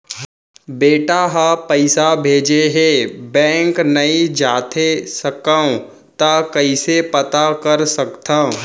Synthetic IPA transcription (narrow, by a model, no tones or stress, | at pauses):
beːʈaɦapəɪsabʱeːd͡ʒeɦebɛ̃ːŋknɐid͡ʒaːt̪ʰesɐkaːõ | t̪akɐisepɐt̪akɐɾsɐkt̪ʰãːõ